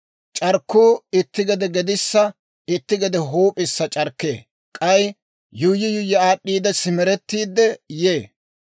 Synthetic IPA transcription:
t͡ʃʼɐɾkːuːɪt̪ːɪɡɛd̪ɛɡɛd̪ɪsːɐ | ɪt̪ːɪɡɛd̪ɛɦoːpʼɪsːɐt͡ʃʼɐɾkːḛː | kʼɐj | jʊjːɪjʊjːɛaːɗːiːd̪ɛsɪmɛɾɛt̪ːiːd̪ːɛjeː

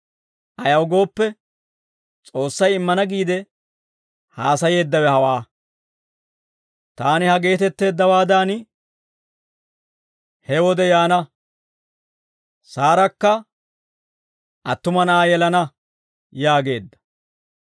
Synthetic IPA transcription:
ʔɐjɐwʊɡo̞ːpːɛ | t͡sʼo̞ːsːɐjɪmːɐnɐɡiːd̪ɛ | haːsɐje̞ːd̪ːɐwɛhɐwaː | t̪aːnɪhɐɡe̞ːt̪ɛt̪ːe̞ːd̪ːɐwaːd̪aːn | hɛwɔd̪ɛjaːnɐ | saːɾɐkːɐ | ʔɐt̪ːʊmɐnɐaːjɛlɐnɐ | jaːɡe̞ːd̪ːɐ̥

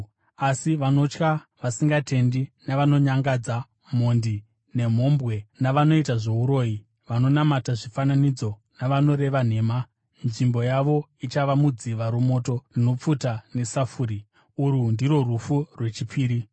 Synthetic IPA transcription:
asiʋano̞t͡ʃkaʋasiŋɡatʰe̞ndinaʋano̞ɲaŋɡad͡za | m̤ondi | ne̞m̤o̞mbɣe̞naʋano̞itaʐo̞uɾo̞ːji | ʋano̞namataʐifananid͡zo̞ | naʋano̞ɾe̞ʋan̤e̞ːma | nʐimbo̞jaʋo̞it͡ʃaʋamud͡ziʋaɾumo̞to̞rino̞p͡futane̞safuɾi | uɾundiro̞rufurwe̞t͡ʃipʰiːɾi

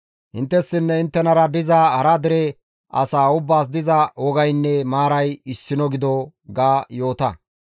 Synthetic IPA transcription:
hɪ̰nt̪ːɛsːɪnːɛɪnt̪ːɛnɐɾɐd̪ɪzahɐɾɐd̪ɪɾɛ | ɐ̰saːʊbːaːs̬d̪ɪzɐwɔɡɐjnːɛmaːɾɐjɪsːɪnɔɡɪd̪ɔɡaːjo̞ːt̪ɐ

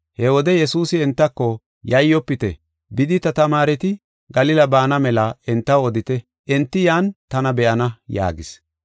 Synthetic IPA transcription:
hɛwɔd̪ɛjɛsuːsɪɛnt̪ːɐkːɔ | jɐjːɔpːɪt̪ɛ̰ | bɪd̪ɪt̪ɐt̪ɐmaːɾɛt̪ɪ | ɡɐlɪlɐbaːnɐmɛlɐɛnt̪ːɐwɔd̪ɪt̪ɛ | ʔɛnt̪ːɪjaːnt̪ɐnɐbɛʔɐnɐja̰ːɡɪs

